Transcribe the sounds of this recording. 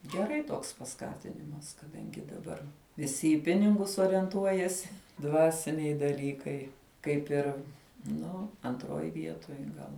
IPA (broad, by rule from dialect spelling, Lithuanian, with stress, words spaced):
ɡʲɛˈrɐɪ ˈtoːks pɐˈskɑːtʲɪnʲɪmɐs kɐˈdɐŋʲɡʲɪ dɐˈbɐr ʋʲɪˈsʲɪ ɪ ˈpʲɪnʲɪŋɡʊs oːrʲiɛnˈtuɔjɛsʲɪ ˈdʋɑːsʲɪnʲɛɪ dɐˈlʲiːkɐɪ ˈkɐɪp ɪr ˈnʊ ɐntˈroːj ˈʋʲiɛtoːj ˈɡɐlˠ